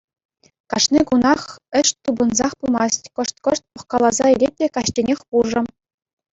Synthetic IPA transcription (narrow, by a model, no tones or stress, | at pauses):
kɑʂnʲikunɑχɘ̆ɕt̪ubɤ̆nzɑχpumɑstʲkɤ̆ʂt̪kɤ̆ʂt̪̚pɤ̆χkɑlˠɑzɑilʲet̚ʲːekɑɕt͡ɕʲenʲexʲpuʐɤ̆